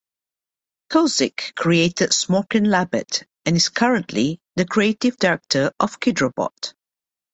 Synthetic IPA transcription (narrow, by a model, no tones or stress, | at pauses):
kʰozɪkʰːɹieɪtədsmokɪ̃nlæbə̰t | ɛ̃nɪskʰʌɹə̃nʔʰliðəkʰɹietɪvdɛɹɛk̚tʰəʔɔv̥kʰɪdɹəbɔ̰t